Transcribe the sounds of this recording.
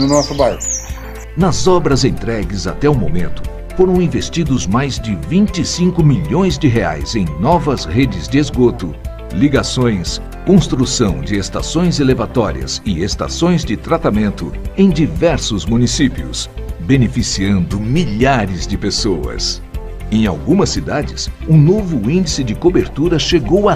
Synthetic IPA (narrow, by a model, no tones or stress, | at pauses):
nʊnɔsʊbajʊ | nɐzɔbɾɐzẽnt̪ɾɛɡɪza̰t̪ɛumõmḛ̃nt̪ʊ̥ | foɾɐ̃w̃ĩvest͡ʃid̪ʊzmajzd͡ʒɪvĩnt͡ʃɪsĩŋkʊmiʎõj̃zd͡ʒɪɦea̰jzẽj̃nɔvɐzɦed͡ʒɪzd͡ʒɪezɡot̪ʊ | liɡasõj̃s | kõst̪ɾusɐ̃w̃d͡ʒɪest̪a̰sõj̃zelevat̪ɔɾḭɐ̰zɪest̪a̰sõj̃zd͡ʒɪt̪ɾat̪amẽnt̪ʊẽj̃d͡ʒivɛɾsʊzmũnisipiʊ̰sbenefisiɐ̃nd̪ʊmiʎaɾɪzd͡ʒɪpesoɐ̰s | ẽj̃a̰wɡũmɐsːid̪ad͡ʒɪsũnovʊĩnd͡ʒisɪd͡ʒɪkobeɾt̪uɾɐʃeɡowa